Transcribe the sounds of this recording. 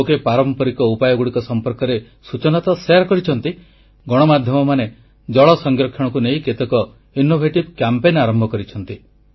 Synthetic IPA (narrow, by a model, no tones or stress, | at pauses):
okepaɾɔmpɔɾikɔupajɔɡuɽikɔsɔmpɔɾkɔɾe | sut͡ʃɔnat̪ɔseaɾkɔɾit͡ʃʰɔnt̪i | ɡɔɽ̃ɔmad̪ʱjɔmɔmane | d͡ʒɔɭɔsɔŋɡɾɔkʰːjɔɽɔkuneĩket̪ekɔ | inobʱeʈib̚kjampenaɾɔmbʱɔkɔɾit͡ʃʰɔnt̪i